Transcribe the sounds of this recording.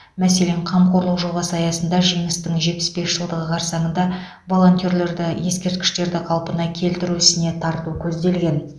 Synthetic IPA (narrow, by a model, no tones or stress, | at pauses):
mæse̞le̞ɴqʰɑmqʰo̞ɾlˠəqʒo̞ʁɑsəɑjɑsənd̪ɑʒijməst̪əɴʒe̞t̪̚pɪ̥sbe̞sʒəlˠd̪əʁəqʰɑɾsɑɴənd̪ɑ | vo̞lˠo̞nt̪ʲijo̞ɾle̞ɾd̪ɪje̞skʲe̞ɾt̪̚kʲɪ̥ʃt̪e̞ɾd̪ɪqʰɑlˠpənɑkʲʰe̞lt̪ɪɾuɪsɪne̞t̪ʰɑɾt̪ukʲʰɵzd̪e̞lɡʲe̞n